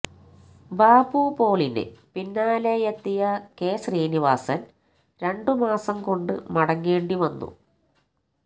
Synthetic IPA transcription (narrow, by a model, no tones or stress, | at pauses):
baːbuːpo̞ːɭinɨ̰pinːaːlejet̪ːijɐke̞ːɕriːniʋaːsɐn | ɾe̞ɳɖɨmaːsɐmko̞ɳɖɨmɐɽɐŋːe̞ːɳɖiʋɐnːṵ